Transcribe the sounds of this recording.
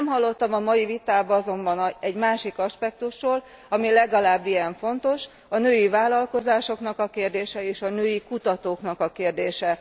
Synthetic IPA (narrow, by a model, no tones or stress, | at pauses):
mɦɒlːo̞t̪ːɒmɒmɒjivit̪aːbɒzo̞mbɒnɛɟmaːʃikɒʃpɛk̚t̪uʃroːl | ɒmilɛɡɒlaːbːijɛɱfo̞nt̪o̞ʃ | ɒnøːjivaːlɒlko̞zaːʃo̞kn̪ɒkɒkeːrd̪eːʃɛeːʃɒnøːjikut̪ɒt̪oːknɒkɒkeːrd̪eːʃɛ